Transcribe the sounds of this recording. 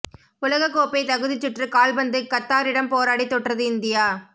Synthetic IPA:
ʊlɐɣɐkːoːpɐɪt̪ɐɣɯðɪt͡ʃːɪʈrɯkaːlbɐnd̪ɯkɐt̪ːaːɾɪɽɐmpoːɾaːɽit̪ːɔʈrɐðɯɪnd̪ɪjaː

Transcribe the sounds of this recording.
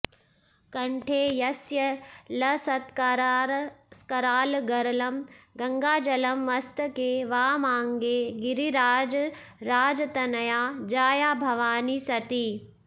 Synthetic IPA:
kɐ̃ɳʈʰeːjɐsjɐlɐsɐt̪k | skɐɾaːlɡɐɾɐlɐmɡɐ̃ŋɡaːd͡ʒɐlɐmʋɐst̪ɐkeːʋaːmãːŋɡeːɡɪɾiɾaːd͡ʒɾaːd͡ʒɐt̪ɐnɐjaːd͡ʒaːjaːbʱɐʋaːniːsɐt̪iː

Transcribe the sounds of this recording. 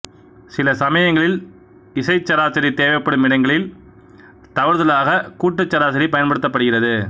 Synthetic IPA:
sɪlɐsɐmɐjɐŋɡɐɭɪl | ɪsɐɪt͡ʃːɐɾaːt͡ʃɐɾit̪eːʋɐɪpːɐɽɯmɪɽɐŋɡɐɭɪl | t̪ɐʋɐɾðɐlaːɣɐkuːʈːɯt͡ʃːɐɾaːsɐɾipɐjɐnpɐɽɯt̪ːɐpːɐɽɯɣɪrɐðɯ

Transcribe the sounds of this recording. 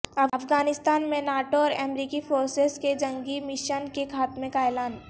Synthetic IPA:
ɐɐfɡaːnɪst̪aːnmẽnaːʈoɔːɾɛːmɾiːkifʰoːɾsesked͡ʒɐ̃ŋɡimɪʃənkekʰaːt̪mẽkaeːlaːn

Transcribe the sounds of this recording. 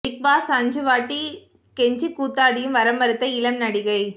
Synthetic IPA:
ʈɪk̚baːsɐɲd͡ʒɯʋaːʈːi | kɛɲd͡ʒɯkːuːt̪ːaːɽɪjɯmʋɐɾɐmbɐɾɯt̪ːɐɪlɐmnɐɽɪɣɐɪ

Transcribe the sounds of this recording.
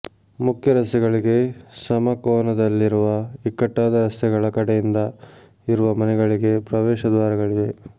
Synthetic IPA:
mukʰjɐɾɐst̪ɛɡɐɭiɡe̞sɐmɐkoːnɐd̪ɐlːiɾuʋɐikːɐʈːaːd̪ɐɾɐst̪ɛɡɐɭɐkɐɽejind̪ɐ | iɾuʋɐmɐnɛɡɐɭiɡe̞pɾɐʋɛːʃɐd̪ʋaːɾɐɡɐɭid̪e̞

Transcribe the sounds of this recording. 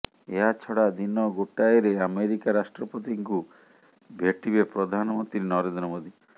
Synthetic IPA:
eɦat͡ʃʰɔɽad̪inɔɡoʈaeɾeameɾikaɾasʈɾɔpɔt̪iŋku | bʱeʈibepɾɔd̪ʱanɔmɔnt̪ɾinɔɾend̪ɾɔmod̪i

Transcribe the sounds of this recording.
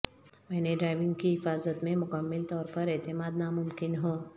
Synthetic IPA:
mɛːneɖɾaːɪʋɪ̃ŋɡkiɦɪfaːzət̪mẽmʊkəmːəlt̪ɔːɾpɐɾɛːt̪ɪmaːd̪namʊmkɪnɦõː

